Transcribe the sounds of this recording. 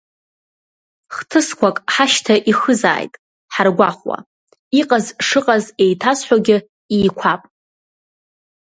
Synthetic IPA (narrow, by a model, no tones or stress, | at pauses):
χtʰɨskʷakʼħaʃtʰaʔiχɨza̰ːjtʼ | ħarɡʷaχwa̰ | iqʼazʂɨqʼaze̞jtʰasħʷaɡʲɪ | iːkʷʰapʼ